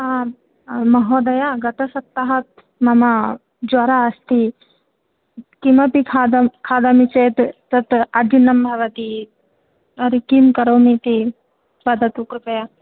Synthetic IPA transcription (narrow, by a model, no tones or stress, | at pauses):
a | mɐɦoːd̪ɐjaɡɐt̪ɐsɐt̪ːɐɦɐt̪̚ | mɐmɐ | d͡ʒwɐɾaːst̪i | kimɐpikʰad̪ɐkʰaːd̪ɐmit͡ʃeːt̪ː | ɐt̪ɐɾd͡ʒunɐmbʱɐʋɐt̪i | ɐɾikimkɐɾoːmit̪i | bɐd̪ɐt̪ukɾupɐja